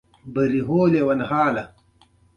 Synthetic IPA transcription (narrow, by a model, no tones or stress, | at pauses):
bɐɾiɦoːlewɐnhaːlɐ